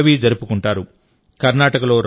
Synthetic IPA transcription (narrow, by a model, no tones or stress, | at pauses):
ʋiːd͡ʒɐɾupukuɳʈaːɾu | kɐɾnaːʈɐkɐlo̞ːɾ